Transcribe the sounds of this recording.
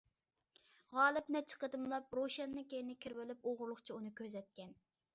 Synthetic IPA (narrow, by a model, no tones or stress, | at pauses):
ʁɑːlˠɨpmɛt͡ʃʰə̥qəd̪ɨmlˠɑp̚ɾoʃɛnːɨŋkʲejɪnɪkʲʰiɾwɪlɪp̚oʁʊɾlˠʊχt͡ʃʰiunɨkʲʰøzɛt̪̚kʲɛn